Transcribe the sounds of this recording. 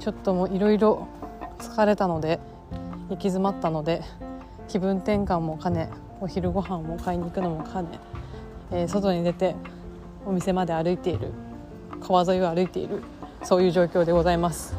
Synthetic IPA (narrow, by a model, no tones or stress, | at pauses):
t͡ɕo̞t̪ːo̞moːiɾo̞iɾo̞t͡sɨ̥kaɾe̞t̪ano̞d̪e̞ | ikʲizɨmat̪ːanod̪e̞ | kʲibɯ̟̃nt̪ẽ̞ŋkãmːo̞kane̞ | oçiɾɯ̟ɡo̞ɦãmːo̞kaiɲ̟iːkɯ̟no̞mo̞kʰane̞̰ː | so̞t̪o̞ɲ̟id̪e̞t̪e̞ | o̞mʲise̞mad̪e̞aɾɯ̟it̪e̞ḭɾɯ̰ | kʰaβazo̞ioaɾɯ̟it̪e̞̰ḭɾɯ̟ | so̞ːjɯ̟ːʑo̞ːkʲo̞ːd̪e̞ɡo̞zaimasɨ̥